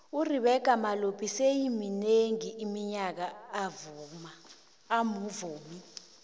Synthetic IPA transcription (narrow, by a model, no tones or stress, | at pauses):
uriɓɛɡ̥ʱʼamalopʰisejimineŋiːmiɲak̬aːvumaː | muvuːmi